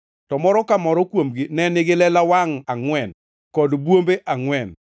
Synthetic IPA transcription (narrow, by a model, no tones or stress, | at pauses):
tɔmɔɾɔkamɔɾɔkwomɡɪnɛnɪɡɪlɛlawaŋaŋwɛn | kɔdbwombeʔaŋwɛn